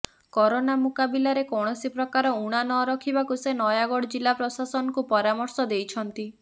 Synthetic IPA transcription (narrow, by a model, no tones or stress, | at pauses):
kɔɾonamukabilaɾekɔɽ̃ɔsipɾɔkaɾɔuɽ̃anɔɾɔkʰibakusenɔjaɡɔɽd͡ʒilːapɾɔsasɔnɔkupɔɾamɔɾsɔd̪ejt͡ʃʰɔnt̪i